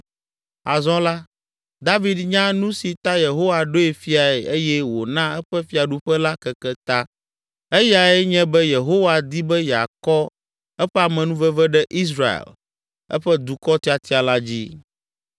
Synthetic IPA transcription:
a̰˨zɔ̃˦la˦ | d̪a˦vi˦d̪ɲã˦nũ˦si˨t̪a˦je˨ɦo˦wa˨ɖo˦e˨fi˦a˨ɛ˨e˦jɛ˦wo˨nã˦ɛ˦ɸɛ˦fi˦a˨ɖu˦ɸɛ˦la˦kɛ˨kɛ˦t̪a˦ | e˦ja˨ɛ˦ɲɛ̃˦bɛ˦je˨ɦo˦wa˨d̪i˦bɛ˦ja˨kɔ˦ | ɛ˦ɸɛ˦a˨mɛ̃˨nũ˦vɛ˦vɛ˦ɖɛ˦ʔi˦s̬ɾa˨ḛ˨l | ɛ̰˦ɸɛ˦d̪u˨kɔ˦t̪i˦a˨t̪i˦a˨la˦d͡ʑḭ˦

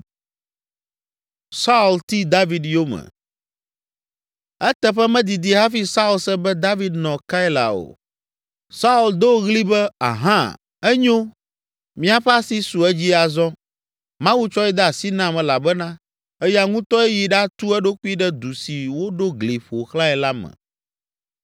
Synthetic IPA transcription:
sa˦u˨lt̪i˦d̪a˦vi˨d̪jo˦mɛ̰˨ | ɛ˦t̪ɛ˨ɸɛ˦mɛ̃˦d̪i˨d̪i˨ɦa˦fi˦sa˦u˦lsɛ˦bɛ˦d̪a˦vi˨d̪nɔ̃˨ka˦i˦la̰˨o̰˨ | sa˦u˦ld̪o˦ɣli˦bɛ˦a̰˨ɦã˦ | ɛ˦ɲõ˦ | mĩ˦a˨ɸɛ˦a˦si˦su˨ɛ˦d͡ʑi˦a˨zɔ˦ | mã˦wu˦t͡ʃɔ˦ɛ˦d̪ɛ˦a˨si˦nã˦mɛ̃˨la˨bɛ˦nã˦ | ɛ˦ja˦ŋũ˦t̪ɔ˦e˦ji˨ɖa˦t̪u˦ɛ˦ɖo˦k͡pu˦i˦ɖɛ˦d̪u˨si˨wo˦ɖo˦ɡli˨ɸo˨xlã˦ɛ˨la˦mɛ̰̃˨

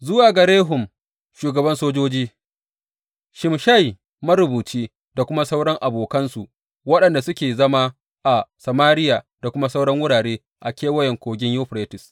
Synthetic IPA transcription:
zʊ˦waː˨ɡɐ˨ɾeː˦ɦʊ˨m | ʃuː˨ɡɐ˨bɐ˦nsoː˦d͡ʒoː˦d͡ʒiː˦ | ʃɪ˨mʃa˦˨j | mɐ˦ɾʊ˨buː˨t͡ʃiː˦ | da˨kʷʊ˦ma˦sa˦wɽɐ˦ŋʔa˨boː˨kɐ˦nsu˨ | wɐ˦ɗɐ˨nda˨sʊ˦kʲeː˨zɐ˦ma˦ | ʔa˨sɐ˨maː˦ɾɪ˦jaː˨ | da˨kʷʊ˦ma˦sa˦wɽɐ˦ŋwʊ˦ɽaː˨ɽeː˦ | ʔa˨kʲeː˦wɐ˦jɛ˨ŋkʷoː˨ɡʲɪ˦ɲjoː˦ɸɾeː˦tɪ˨s

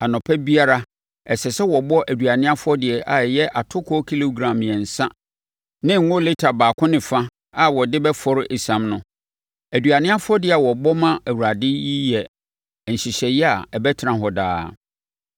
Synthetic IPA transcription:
a˨nɔ̃˨pʰɛ˦bi˦a˦ɾa˦ | ɛ˨sɛ˨sɛ˦wɔ˨bɔ˦ʔæ˨du˨a˨nɪ̃˦a˦fʊ˦ɔ˦dɪ˨ɛ˨ʔa˨jɛ˦ʔa˨tʰʊ˦kʰɔ˦kʰi˦lo˦ɡɾã˨mjɛ˨n̩˨sã˦ | nɪ̃˦ŋ̩˦ʊ̃˦lɪ˦tʰa˨baː˨kʰʊ̃˦nɪ̃˨fã˦ | a˨wɔ˨dɪ˦bɛ˦fɔ˨ɾɪ˦ʔe˨sã˨mnʊ̃˨ | æ˨du˨a˨nɪ̃˦a˦fʊ˦ɔ˦dɪ˨ɛ˨a˨wɔ˨bɔ˦mã˦æ˨wu˨ɾa˨dɪ˦ji˦jɛ˨ | n̩˨ɕi˨ɕɛ˨jɛ˦a˨ɛ˨bɛ˦tʰɾã˨ɦɔ˨da̰ː˦

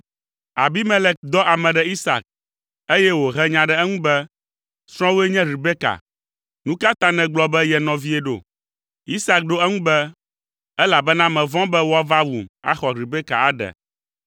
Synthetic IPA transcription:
a˨bi˦mɛ̃˦lɛ˨k̚d̪ɔ˦ʔa˨mɛ̃˨ɖɛ˨i˦sa̰˨k̚ | e˦jɛ˦wo˨ɦɛ˦ɲã˨ɖɛ˨ɛ˦ŋũ˦bɛ˦ | sɾ̃ɔ̃˦wo˦ɛ˦ɲɛ̃˦ɾi˨bɛ˦ka̰˨ | nũ˦ka˦t̪ã˦nɛ̃˨ɡ͡blɔ˨bɛ˦jɛ˨nɔ̃˨vi˦ɛ˦ɖo̰˨ | i˦sa˨k̚ɖo˦ɛ˦ŋũ˦bɛ˦ | ɛ˦la˨bɛ˦nã˦mɛ̃˨vɔ̃˦bɛ˦wo˦a˦va˦wu˨ma̰˦xɔ˨ɾi˨be˦ka̰˨a˨ɖɛ̰˨

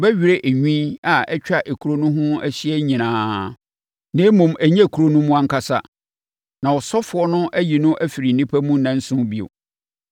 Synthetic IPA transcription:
ɔ˨bɛ˦ɥi˨ɾe˦ʔe˨ɲᶣĩ˦a˨ɛ˦t͡ɕᶣa˦˨ʔe˨kʰu˨ɾo˦nʊ̃˦ɦʊ̃˦æ˦ɕi˦ɛ˦ɲĩ˨nãː˨˦ | nẽ˦mʊ̃˨mæ˨ɲɛ̃˦˨kʰu˨ɾo˦nũ˦mũ˦ã˦ŋ̩˦kʰa˦sa˦ | nã˨ɔ˨sɔ˦fʊ˨ɔ˦nʊ̃˦ʔæ˦ji˨nʊ̃˦ʔæ˦fi˨ɾi˨nĩ˦pʰæ˦mũ˦nã˨n̩˦sʊ̃˦bi˦˨o̰˨

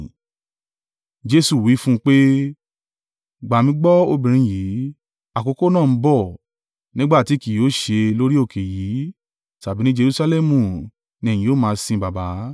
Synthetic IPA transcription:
d͡ʒe˦su˦˨wi˨˦fũ˦˧k͡pe˦ | ɡ͡ba˨mĩ˧˦ɡ͡bɔ˦o˧bĩ˨ɾ̃ĩ˧˨ji˨˦ | a˨ko˨˧ko˦nãː˦˨n̩˦bɔ˦˨ | nĩ˦ɡ͡ba˦˨ti˨˦ki˨jo˨˦ʃe˧lo˦ɾi˦o˦˨kʰe˨ji˨˦ | ta˨bi˨˦nĩ˦d͡ʒe˧ɾu˦˧sa˧lɛ˦˨mũ˨ | nĩ˧ɛ̃˨jĩ˨˦jo˦˨mãː˧˦sĩ˧ba˨ba˨˦

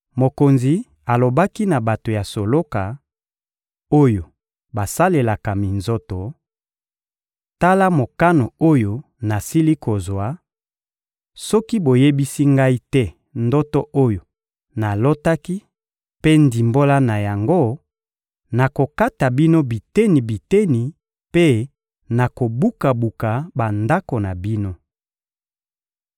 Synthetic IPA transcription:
mo˨ko˨nzi˨ | a˨lo˨ba˦ki˦na˨ba˨to˨ja˨so˨lo˦ka˨ | o˦jo˨ | ba˨sa˦le˨la˨ka˨mi˨nzo˦tɔ˨ | ta˦la˦mo˨ka˦no˨o˦jo˨ | na˨si˦li˦ko˨zwa˨˦ | sɔ˦ki˦bo˨je˦bi˦si˦ŋɡa˦i˦tɛ˦ | ndɔ˦tɔ˦ʔo˦jo˨ | na˨lo˦ta˦ki˦ | pe˦ndi˨mbo˦la˦na˨ja˨ŋɡo˦ | na˨ko˨ka˦ta˨bi˦no˦bi˨te˦ni˨bi˨te˦ni˨ | pe˦ | na˨ko˨bu˦ka˨bu˨ka˨ba˨nda˦ko˨na˨bi˦no˦

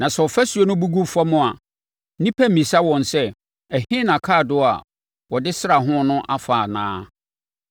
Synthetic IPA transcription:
nã˨sɛ˨ɔ˨fæ˦su˨˦o˦nʊ̃˦bu˦ɡu˦fa˦mʊ̃˦˨a˨ | nĩ˦pʰæ˦mĩ˨sa˦wɔ̃˨nsɛ˦ | ɛ˨hɪ̃˦nã˨kʰaː˦˨dʊ˦a̰˨ | wɔ˨dɪ˦sɾa˨ɦʊ̃˦nʊ̃˦ʔa˦faː˨nã̰ː˦

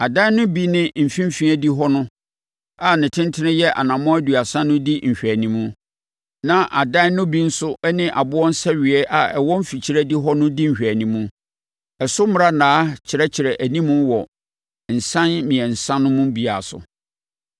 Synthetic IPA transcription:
a˨dã˦nʊ̃˦bi˦nɪ̃˦m̩˨fĩ˦m̩˦fĩ˦æ˦di˦ɦɔ˦nʊ̃˦ | a˨nɪ̃˨tʰɪ̃˦ntʰɪ˦nɪ̃˦jɛ˦ʔa̰˨nã˨mɔ̃˦æ˦du˨a˨sã˦nʊ̃˦di˦m̩˨ɕᶣæ˨nĩ˨mũ˦ | nã˦˨ʔa˨dã˦nʊ̃˦bi˦n̩˦sʊ˦ɛ˦nɪ̃˦ʔa˨bʊ˦ɔ̃˦n̩˦sɛ˦ɥɪ˨ɛ˦ʔa˨ɛ˨wɔ̃˦m̩˦fi˨t͡ɕʰi˦ɾæ˦di˦ɦɔ˦nʊ̃˦di˦m̩˨ɕᶣæ˨nĩ˨mũ˦ | ɛ˨sʊ˦mʊ˦ɾa˦nãː˨˦t͡ɕʰɪ˨ɾɛ˦t͡ɕʰɪ˨ɾɛ˨ʔæ˨nĩ˦mũ˦wɔ˨ | n̩˨sã˦nmĩ˨ɛ̃˨n̩˨sã˦nʊ̃˦mũ˦bi˨a˨sʊ̰˨

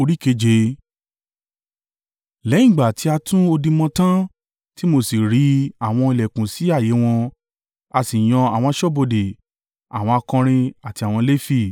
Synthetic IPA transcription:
o˧ɾi˦ke˧˦d͡ʒe˧˦ | lɛ˨˦ĩ˦˨ɡ͡ba˨ti˨˦a˧tũ˦o˧dĩ˧mɔ̃˧tã˦ | ti˦mo˧si˨ɾi˨˦a˨w̃ɔ̃˧i˧lɛ˨kũ˨si˨˦a˦˨je˨˦w̃ɔ̃˧ | a˧si˨j̃ɔ̃˧a̰˨w̃ɔ̃˧a˧ʃɔ˦bo˧de˨ | a̰˨w̃ɔ̃˧a˧kɔ̃˧ɾ̃ĩ˧a˨ti˧a˨w̃ɔ̃˧le˦fi˦˨

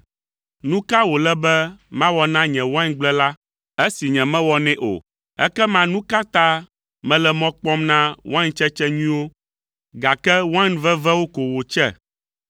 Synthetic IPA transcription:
nũ˦ka˦wo˨lɛ˦bɛ˦mã˦wɔ˨nã˦ɲɛ̃˨wã˦ŋɡ͡blɛ˦la˦ | ɛ˦si˨ɲɛ̃˨mɛ̃˦wɔ˨nɛ̃˦ʔo̰˨ | ɛ̰˦kɛ˦mã˦nũ˦ka˦t̪a˦ | mɛ̃˦lɛ˨mɔ̃˦k͡pɔ˦mnã˦wã˦ɲt͡ʃɛ˦t͡ʃɛ˦ɲĩ˦wo˦ | ɡa˨kɛ˦wã˦nvɛ˦vɛ˦wo˦ko˨wo˨t͡ʃɛ̰˦

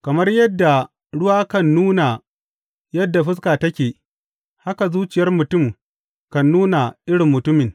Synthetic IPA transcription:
kɐ˨mɐ˦rjɐ˦dːa˨ | ɽʊ˦waː˦kɐ˦nːuː˦na˨ | jɐ˦dːa˨ɸɪ˦s̬kaː˨tɐ˦kʲeː˨ | ha˦ka˨zuː˦t͡ʃɪ˨jɐ˦rmʊ˨tʊ˦˨m | kɐ˨nːuː˦na˨ʔɪ˦ɽɪ˨mːʊ˨tʊ˦mɪ˨ŋ

